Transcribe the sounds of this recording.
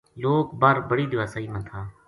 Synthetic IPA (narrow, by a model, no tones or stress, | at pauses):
loːkbaːɾbəɽiːd̪ɪʋaːsaːiːmə̃nt̪ʰaː